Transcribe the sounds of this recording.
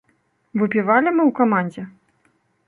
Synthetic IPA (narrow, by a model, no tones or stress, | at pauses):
vɨpʲivalʲimɨwkamanʲd͡zʲɛ